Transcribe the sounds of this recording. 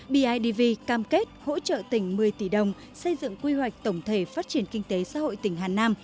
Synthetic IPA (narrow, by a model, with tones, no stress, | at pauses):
ɓi˧ʔaː˧jɗi˧vi˧kaː˧mke˦˥t̚ho̰˧˥t͡ɕə̰ː˧˨t̪ï˧˩ŋ̟mɨ˨˩əjt̪i˧˩ɗə˨˩wŋ͡m | sə˧jzɨ̰˧˨ŋkwi˧wa˨˩jk̟̚t̪ə˧˩wŋ͡mt̪ʰe˧˩faː˦˥t̚t͡ɕi˧˩ənkï˧ŋ̟t̪e˨˦sa̰ː˧˥ho̰˧˨jt̪ï˧˩ŋ̟ɦaː˨˩naː˧m